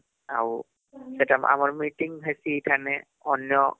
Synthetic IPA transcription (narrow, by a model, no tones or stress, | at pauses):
aw | sɛtama̰mɔɹmitiŋɦajsitʰanɛ | ɔnjɔ